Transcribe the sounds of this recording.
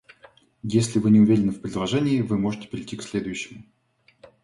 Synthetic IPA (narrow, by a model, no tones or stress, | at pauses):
jesʲlʲɪvɨnʲɪʊvʲeɾʲɪnɨfpɾʲɪd̪lˠɐʐɛnʲɪːvɨmo̞ʐɨtʲɪ̥pʲɪɾʲɪtʲːiksʲlʲe̞d̪ʊjɕːɪmʊ